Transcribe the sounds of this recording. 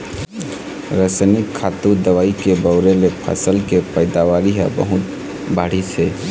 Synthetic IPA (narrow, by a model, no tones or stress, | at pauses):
ɾəsanɪkʰːaːt̪ud̪əʋaːikebəʊɾelepʰə̰səlkepəɪd̪aʋaːɾiɦɛ̰bə̰ɦʊt̪̚ | baːɽ̤isʰe